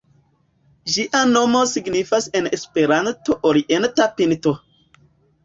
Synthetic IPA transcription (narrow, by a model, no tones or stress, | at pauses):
d͡ʒiʔano̞mo̞siɡnifasenespeɾantoʔoliʔentapinto